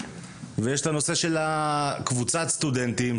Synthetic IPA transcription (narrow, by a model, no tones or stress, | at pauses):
vejeʃt̪ano̞se̞ʃe̞lakvut͡satst̪ud̪ent̪im